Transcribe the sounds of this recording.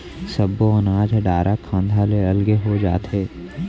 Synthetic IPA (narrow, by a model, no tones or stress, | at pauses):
sɐbːoɐnaːd͡ʒʱɛɖaːɾʔakʰãːnd̪ʱaleɐlɡeɦod͡ʒa̰ːt̪ɦeː